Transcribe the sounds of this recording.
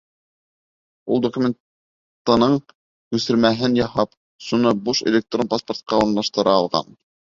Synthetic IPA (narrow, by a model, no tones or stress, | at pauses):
ulˠd̪okumʲen | t̪ːɤnɤɴ | kʉsɘ̆ɾmæɦɘnjɑhɑp | ʃunɤbuʃḛlʲek̚t̪ronpasport̪̚qɑuɾnlˠɑʃt̪ɤ̆ɾɑːlˠʁɑ̰n